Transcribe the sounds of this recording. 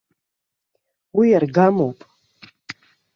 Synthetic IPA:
wijarɡamowpʼ

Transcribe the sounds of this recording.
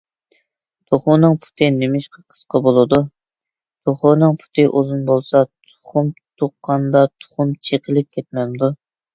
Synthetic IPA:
t̪ʰoχʊnɨŋpʰu̥t̪ʰɨnɪmɪʃqɑqʰə̥sqʰɑbolˠɨd̪u | t̪oχʊnɨŋpʰu̥t̪ʰɨʔozunbolˠsɑt̪ʰʊ̥χumt̪ʰoqːɑnd̪ɑt̪ʰʊ̥χʊmt͡ʃʰeqʰəlˠɪp̚kʲʰɛt̪̚mɛmd̪u

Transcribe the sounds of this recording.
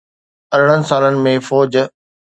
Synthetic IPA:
ɐɾɽənɪ̆saːlənɪ̆mẽfɔːd͡ʑ

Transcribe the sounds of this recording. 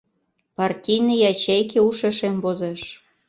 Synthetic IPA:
pɑrtʲijnəjɑt͡ɕejkeuʃeʃemvozeʃ

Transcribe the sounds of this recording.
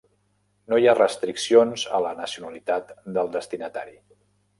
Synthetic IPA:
nojarəst̪ɾiksionzə̰lənəsiunəlit̪at̪d̪əlˠd̪əst̪inət̪a̰ɾi

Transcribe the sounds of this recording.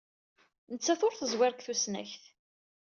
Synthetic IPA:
nət͡sːæθʊɾθəzwɪɾkθusnæ̰çθ

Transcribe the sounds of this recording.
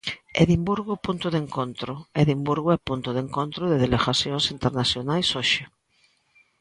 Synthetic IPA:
ḛðimbuɾɣʊpunt̪ʊðeŋkont̪ɾʊeðimbuɾɣoɛpunt̪ʊðeŋkont̪ɾʊðeðeleɣaθjoŋsint̪eɾnasjonajsoʃe

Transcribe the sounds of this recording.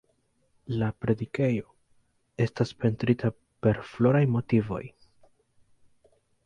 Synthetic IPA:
lapɾe̞dike̞jo̞ | e̞staspe̞ntɾitʰa | pe̞ɾflo̞ɾajmo̞tivo̞̰j

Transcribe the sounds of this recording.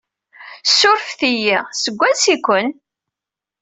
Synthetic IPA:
sʊɾfθijiʁsəɡʷːænsikʷən

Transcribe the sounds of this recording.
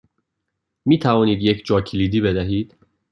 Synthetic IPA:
miːt̪ʰævɒːniːd̪jecʰd͡ʒɒːcʰiliːd̪iːbed̪æɦiːd̪̥

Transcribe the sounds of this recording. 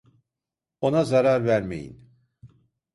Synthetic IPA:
o̞nazaɾaɾvæɾmḛjḭn

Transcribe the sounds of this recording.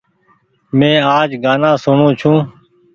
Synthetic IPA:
mẽːaːd͡ʒɡaːnãːsʊɳõːt͡ʃʰũː

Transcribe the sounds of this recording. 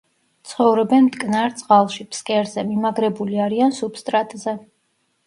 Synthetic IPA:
t̪sʰχɔvɾɛbɛnmt̪ʼkʼnaɾt̪sʼqʼalˠʃipskʼɛɾzɛmimaɡɾɛbuliaɾiansupst̪ʼɾat̪ʼzɛ

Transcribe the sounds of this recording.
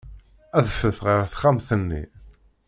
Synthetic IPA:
æðəfəθʁəɾθχamθənːḭ

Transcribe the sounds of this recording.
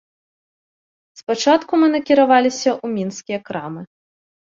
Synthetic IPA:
spat͡ʂat̪kumɨnɐkʲiɾavalʲisʲɐʔumʲinskʲijɐkɾamɨ

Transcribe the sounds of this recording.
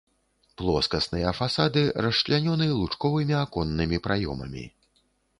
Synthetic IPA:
plˠɔskɐsnɨjɐfasad̪ɨɾɐʂlʲanʲɔnɨlˠut͡ʂkɔvɨmʲiakɔnːɨmʲipɾajɔ̰mɐ̰mʲḭ

